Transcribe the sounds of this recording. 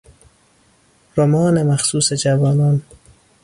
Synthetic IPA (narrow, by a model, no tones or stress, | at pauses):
ɾomɔːnemaxsuːsed͡ʒavɔːnɔːn